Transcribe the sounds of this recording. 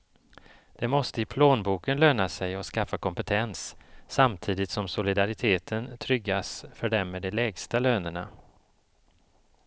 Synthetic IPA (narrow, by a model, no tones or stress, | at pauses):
d̪̥ɛmɔst̪əɪpʰloːnbuːkənløːnasɛjɔskafːakʰɔmpɛt̪ʰɛnsːamt̪ʰiːd̪ɪt̪sɔmsʊlɪd̪aɾɪt̪ʰeːt̪ʰənt̪ʰɾʏɡːasfœɖɛmːɛːd̪ɛlɛːɡst̪aløːnəɳa